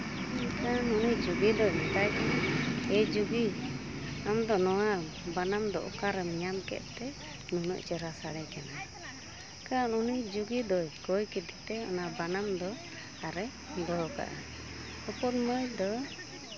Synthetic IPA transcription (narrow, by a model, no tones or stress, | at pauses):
nkanuniʔd͡ʒuɡid̪ɔjɛt̪ajnaɛd͡ʒuɡi | amd̪ɔnɔwabanamd̪ɔʔɔkaɾɛmiɲamkɛ̰ʔ̪̚t̪ɛ | nunə̰ʔt͡ʃɛɾasaɽɛkana | kanunid͡ʒuɡid̪ɔjkɔjkɛd̪it̪ɛɔ̰nabanamd̪ɔ | aɾɛ | d̪ɔɦɔka̰ʔa | ɔpɔt̪məjd̪ɔ